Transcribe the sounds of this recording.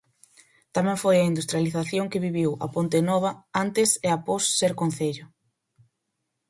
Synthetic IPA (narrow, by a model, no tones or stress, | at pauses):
t̪amɛ̃ŋfojɐind̪ust̪ɾjaliθaθjoŋkɪβiβiwa̰pont̪enɔβ̞ɐant̪ɪseaposːeɾkon̟θeʎʊ